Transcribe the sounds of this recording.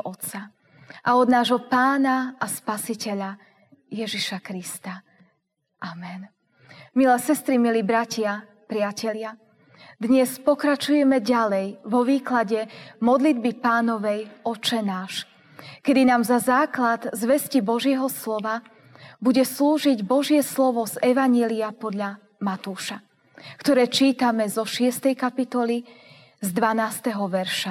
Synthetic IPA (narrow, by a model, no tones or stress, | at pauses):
ɔt̪sa | ʔaɔd̪naːʒɦɔpaːnaaspasicɛʎa | jɛʒiʃakɾist̪a | ʔamɛn | milɛsɛst̪ɾimilibɾacɪa | pɾɪacɛʎɪa | d̪ɲɛspɔkɾat͡ʃujɛmɛɟalɛjʋɔʋiːklaɟɛmɔd̪lid̪bipaːnɔʋɛjɔt͡ʃɛnaːʃ | kɛd̪inaːmzazaːklad̪zʋɛscibɔʒɪjɛɦɔslɔʋa | buɟɛsluːʒiɟbɔʒɪɛslɔʋɔzɛʋaɲjɛliapɔd̪ʎa | mat̪uːʃa | kt̪ɔɾɛːt͡ʃiːt̪amɛzɔʃɪɛst̪ɛjkapit̪ɔli | zd̪ʋanaːst̪ɛɦɔʋɛɾʃa